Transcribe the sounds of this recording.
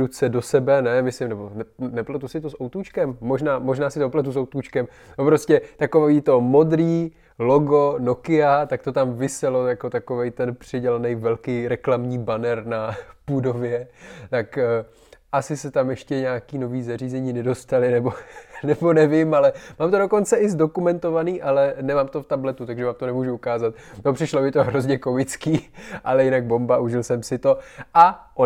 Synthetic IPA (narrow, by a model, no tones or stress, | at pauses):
ut͡sɛdo̞sɛbɛnɛmɪslɪmnɛbo̞nɛnɛplat̪usɪt̪osʔowt̪uːt͡ʃkɛmːo̞ʒnaːmo̞ʒnaːsɪt̪oplat̪̬usowt̪uːt͡ʃkɛm | opɾo̞scɛt̪ako̞vviːt̪o̞mo̞d̪ɾiː | loɡo̞no̞kɪat̪ak̚t̪o̞t̪amvɪsɛlo̞jako̞t̪ako̞vɛjt̪ɛnpr̝̥ɪɟɛlanɛjvɛlkijɾɛklamɲiːbanɛɾnapudo̞vjɛt̪ak | ʔasɪsɛt̪amjɛʃcɛɲaːkiːno̞viːzariːzɛɲiːnɛdo̞st̪alɪnɛbo̞nɛbo̞nɛvɪmalɛmaːmt̪odo̞ko̞nt͡sɛɪzdo̞kumɛnt̪o̞vaniːʔalɛnɛmaːmt̪o̞ft̪ablɛt̪ut̪aɡʒɛvaːmt̪o̞nɛmuːʒuukaːzat̪̚ | nopr̝̥ɪʃlobɪt̪oɦɾo̞zɲɛko̞mɪt͡skiːʔalɛjɪnaɡ̚bo̞mbaʔuʒɪlsɛmsɪt̪o̞ʔaʔo